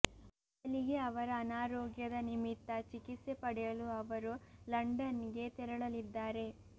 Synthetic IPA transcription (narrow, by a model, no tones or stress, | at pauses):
ɐ | ɐliɡe̞ɐʋɐɾɐːnaːɾoːɡjɐd̪ɐnimit̪ːɐt͡ʃikit̪sepɐɽɛjɐluɐʋɐɾulɐɳɖɐnɡe̞t̪ɛɾɐɭɐlid̪ːaːɾe̞